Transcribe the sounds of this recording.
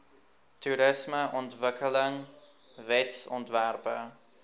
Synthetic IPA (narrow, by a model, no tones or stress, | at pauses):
tuɾəsməʔɔntvəkələŋ | vɛtsɔ̰ntværpə̰